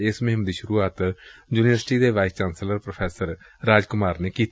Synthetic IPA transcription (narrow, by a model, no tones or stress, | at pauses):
ɪsmɪɦɪmd̪iːʃʊɾuːaːt̪juːniʋəɾsʈiːd̪eːʋaːɪst͡ʃaːnsləɾpɾopʰɛːsəɾ | ɾaːd͡ʒkʊmaːɾneːkiːt̪